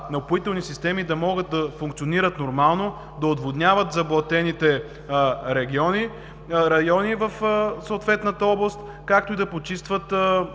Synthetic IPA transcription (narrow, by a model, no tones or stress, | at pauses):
nɐopxoit̪ɛlˠnisist̪ɛmid̪ɐmɔɡət̪̚d̪ɐfʊŋkt̪sioniɾət̪noɾmalˠno | d̪ɐod̪vod̪nʲjavət̪zɐblˠɐt̪ɛnit̪ɛ | ɾɛɡʲiɔni | ɾɐjɔnivəfsoːt̪vɛt̪nət̪əɔblˠɐst̪ | kak̚t̪ʊid̪ɐpot͡ʃist̪vət̪